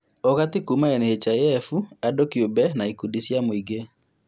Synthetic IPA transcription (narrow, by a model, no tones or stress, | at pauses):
ɔɣatikumaɛnehet͡ʃajɛfuadokiobɛnaikudisjamoiɡe